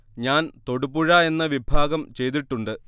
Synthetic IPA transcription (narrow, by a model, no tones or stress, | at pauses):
ɲaːnt̪o̞ɽupːuɻaːe̞nːɐʋibʱaːɡɐmt͡ɕe̞jt̪̬iʈːuɳɖɨ